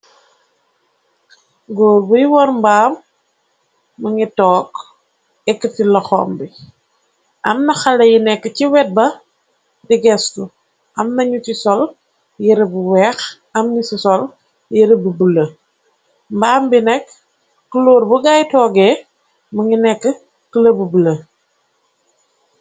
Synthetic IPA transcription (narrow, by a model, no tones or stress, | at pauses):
ɡoːɾbujwɔɾmbaːm | uŋitɔːk | ɛkːətilɐxɔ̰ːmbi | ʔɐmnɐxɐlɐjinɛkːəciwɛt̚bɐ | diɡɛstu | ʔɐmnɐɲutisɔl | jiɾəbuwɛːx | ɐmnisisɔl | jiɾəbubulɐ | mbaːmbinɛkː | əloːrbuɡajtɔːɡɛː | mɐŋinɛkːə | kələbubulɐ